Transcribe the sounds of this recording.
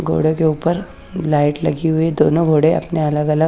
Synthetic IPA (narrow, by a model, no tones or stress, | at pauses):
ɡʱo̰ːɽekeuːpəɾ | laːɪʈlɐɡiɦʊed̪oːnõɡʱoːɽeɐ̰pneɐləɡɐlə